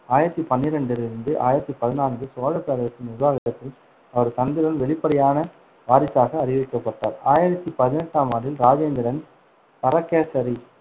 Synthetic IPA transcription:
aːjɪɾɐt̪ːipɐnːɪɾɐɳɖɪlɪɾɯnd̪ɯʔa̰ːjɪɾɐt̪ːipɐðɪnaːnɡ̪ɯsoːɻɐpːeːɾɐɾɐt̪ːɪnɪɾʊʋaːɣɐtɐt̪ːɪl | ɐʋɐɾt̪ɐnd̪ɪɾɐnʋɛɭɪpːɐɽɐjaːnɐ | ʋaːɾɪt͡ʃːaːɣɐːɾɪʋɪkːɐpːɐʈːaːɾaːjɪɾɐt̪ːipɐðɪnɛʈːaːmaːɾɪlɾaːd͡ʒeːnd̪ɪɾɐn | pɐɾɐkːeːsɐɾi

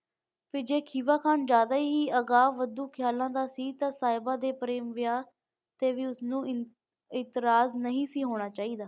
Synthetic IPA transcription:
pʰɪːd͡ʒeːkʰiːʋaːkʰaːnd͡ʒaːd̪aːiɦiːəɡaːʋəd̪uːkʰɪjaːlãːd̪aːsiːt̪ãːsaːɪbaːd̪eːpəɾeːmʋɪjaː | t̪eːʋiːʊsnũː | ɪt̪ɪɾaːznəɦĩːsiːɦoːɽ̃aːt͡ʃaːiːd̪aː

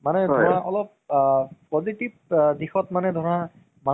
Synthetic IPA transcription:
manɛdʱɔɹaʔɔlɔp̚ː | ɔzitib̚dixɔtmanɛdʱɔɹɔ̃a | ma

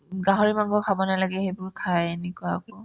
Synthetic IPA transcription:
ɡaɦɔɹimaŋɡɔkʰabɔnalaɡɛhejbʊɹtʰajenɛkuaːkɔ

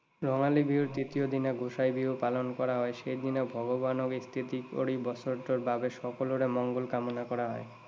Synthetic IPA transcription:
ɾɔŋalibʱiuɾt̪ɾit̪iod̪ineɡʱoʃajbʱiopalonkɔɾaɦɔeʃejd̪inebʱɔɡobanoɡist̪ʰit̪iko̰ɽibɔsoɾʈ̪oɾbabeʃɔkoloɾemɔŋɡolkamonakɔɾaɦɔ̰e

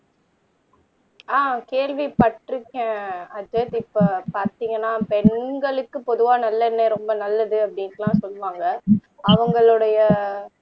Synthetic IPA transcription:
aːkeːɭʋipɐʈːɾɯkːɛ̃ɐd͡ʒɛt̪ɪpːɐpaːɾt̪iːŋɡɐnːaːpɛɳɡɐɭɯkːɯpɔðɯʋaːnɐlːɐɛnːeɾɔmbɐnɐlːɐðɯɐpːɐɽɪŋklãːsɔlːɯʋaːŋɡɐ | ɐʋɐŋɡɐɭɯɽɐjɐ

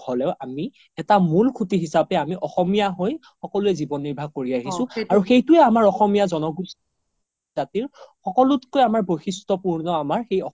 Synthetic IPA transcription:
ɔlɛʊʔami | ɛtamulkʰutiɦisapɛamiʔɔxɔmijaɦoj | xɔkɔluɛzibɔnːiɹbʱaɡ̚koɹiaɦisʊ̃aɹuxejtʊɛamaɹɔxɔmijazɔnɔɡust | zatiɹxɔkɔlʊtkojamaɹboxistɔpuɹnɔamaɹxejɔ

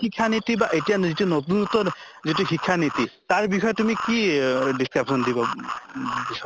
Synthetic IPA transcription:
ikʰːanit̪ibaʔetijazitunɔtunut̪ɔ | zituxikʰːanit̪it̪aɹbixɔjɔtumikidiskɹapsɔnd̪ibɔ | bixɔ

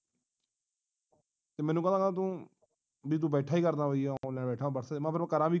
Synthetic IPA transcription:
t̪eːmɛ̃ːnũːkənaːkːt̪̬ũː | biːt̪̬ũːbɛːʈʰaːiːkəɾnaːʋoialɛ̃ːbɛːʈʰaːbəɽsəːmãːpʰəɾãkəɾãːbiː

